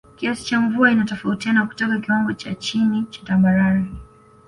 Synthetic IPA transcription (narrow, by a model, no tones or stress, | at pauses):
kiasi̥t͡ʃaɱvuainatɔfautianaku̥tɔkakiwaŋɡɔt͡ʃat͡ʃinit͡ʃḁtambaɾaɾa